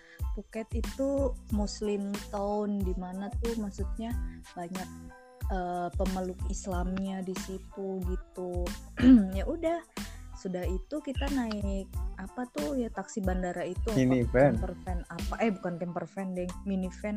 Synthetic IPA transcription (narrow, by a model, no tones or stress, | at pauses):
pukɛt̪it̪umuslɪmt̪aʊndimanat̪ʊhmaksut̪̚ɲabaɲak̚ | əpəməlʊkislamɲadisit̪uɡit̪u | jaʔudahsudahit̪ukit̪anaɪk̚apat̪ʊhjat̪aksibandaɾait̪uminifɛɛnpərfɛnapaʔɛhbukant̪ɛmpərfɛndɛŋminifɛn